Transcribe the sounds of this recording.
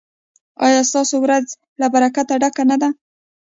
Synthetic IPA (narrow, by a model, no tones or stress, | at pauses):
ɑjɑst̪ɑsowɾad͡z | labaɾakat̪aɖakanad̪a